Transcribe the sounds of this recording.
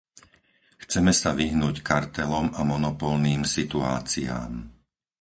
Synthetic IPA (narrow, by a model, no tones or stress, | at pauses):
xt͡sɛmɛsaʋiɦnuːckaɾt̪ɛlɔmamɔnɔpɔlniːmsit̪ua̰ːt͡sia̰ːm